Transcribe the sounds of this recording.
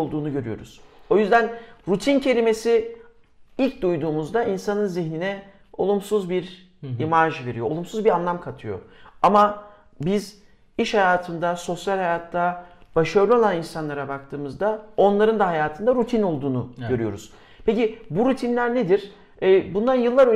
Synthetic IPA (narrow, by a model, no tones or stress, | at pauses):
lˠd̪uːnuɟø̞ɾyjo̞̰ɾṵz̥o̞jyzd̪ænɾut̪ʰincʰe̞lʲime̞si | ilʲc̚d̪ujd̪uːmuzd̪ainsanɯnziçninɛ | o̞lˠumsuzbiɾ | imaʒve̞ɾijo̞o̰lˠumsuzbiɾanlˠamkʰat̪ʰɯjo̞̰ama | biz | iʃhajaːt̪ʰɯnd̪aso̞sjalʲhajaːt̪ʰːab̥aʃaɾlʲˠio̞lˠaninsanlˠaɾabak̚t̪ʰɯːmɯzd̪ao̞nlˠaɾɯnd̪aɦajaːt̪ʰɯnd̪aɾut̪ʰino̞lˠd̪uːnuɟø̞ɾyjo̞ɾuz̥ | pʰecibuɾut̪ʰinlʲæɾned̪iɾ̥ | ɛːbunlanjɯlˠːaɾø